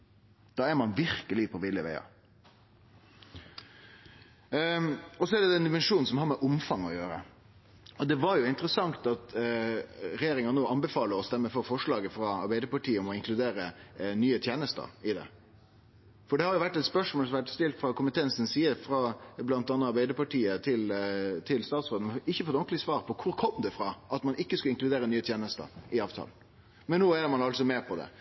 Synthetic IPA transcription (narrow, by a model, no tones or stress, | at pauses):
d̪̥ɑːæɾmɑnʋɪɾkəlɪpʰɔʋɪlːəʋæ̰ɪɑ̰ | ɔsɔæɖɛd̪ɛnd̪ɪmɛnʂuːnsɔmɦɑɾmɛʔʊmfɑŋːɔjøːɾə̰ | ɔd̪ɛʋɑɾjʊɪnt̪əɾəsɑŋt̪ɑt̪ | ɾɛjeːɾɪŋɑnoːɑnbɛfɑːləɾɔst̪ɛmːəɾfɔɾfɔʂɭɑːɡəfɾɑɑ̰ɾbæɪd̪əpɑʈʰiːəɔmɔɪŋkʰlʉd̪eːɾənyːət̪ʰjeːnəst̪ə̰ɾɪd̪ɛ̰ | fɔɖɛhɑɾjʊʋæʈːɛt̪spœʂmɔlsʋæʈːst̪ɪlt̪fɾɑkʊmpət̪ʰɛnsən̩siːəɾfɾɑblɑnt̪ɑːnəɑɾbæɪd̪əpɑʈiːət̪ʰɪlt̪ʰɪlst̪ɑːt̪sʁoːd̪n̩ɪçːəfɔt̪ːɔnk̪lɪsʋɑːɾpʰɔkʰʊɾkʰɔmd̪ɛfɾɑʔɑt̪mɑnɪkːəskʉəɪŋklʉd̪eːɾənyːət̪ʰjeːnəst̪ə̰ɾɪɑːʋt̪ʰɑ̰ːln | mɛnːoːæɾmɑnɑlsɔmɛːpʰɔd̪ɛ̰